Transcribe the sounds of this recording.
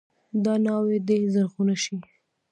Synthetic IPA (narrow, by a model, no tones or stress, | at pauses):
d̪ɑnɑwed̪ezaɾxunaʃi